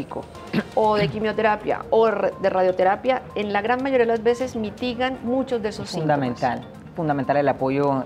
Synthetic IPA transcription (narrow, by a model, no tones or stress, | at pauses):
ikʰo̰ | oðe̞kimjo̞t̪eɾapja̰oðe̞raðjo̞t̪e̞ɾapjae̞nlaɣɾanmaʝoɾiaðelazbe̞se̞zmit̪iɣanmũt͡ʃo̞zd̪eesosfind̪amẽnt̪al | fund̪ament̪alelapoʝo